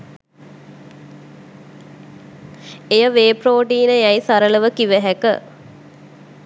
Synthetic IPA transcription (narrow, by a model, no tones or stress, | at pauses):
ejəʋeːproːʈiːnəjæjsaɾələʋəkiʋəɦækə̰